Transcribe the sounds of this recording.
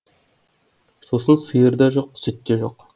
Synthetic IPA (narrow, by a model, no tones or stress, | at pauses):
so̞sənsəjəɾd̪ɑʒoq̚sʏt̪ːeʒo̞q